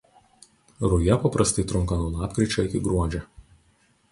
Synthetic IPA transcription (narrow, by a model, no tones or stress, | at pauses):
ɾʊjɛpɐpɾɐst̪ɐɪt̪ɾʊŋˑkɐnuɔlˠɑːpkɾʲɪt͡ʃʲoːɪkʲɪɡɾuɔd͡ʒʲɛ